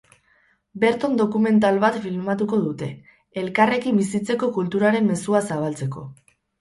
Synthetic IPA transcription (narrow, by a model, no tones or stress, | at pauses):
be̞ɾt̪ond̪o̞kume̞nt̪̬alβat̪filmat̪uko̞ðut̪e̞ː | lkare̞kimbisit͡se̞ko̞kult̪uɾaɾe̞mːe̞suasaβ̞alt͡se̞ko̞̰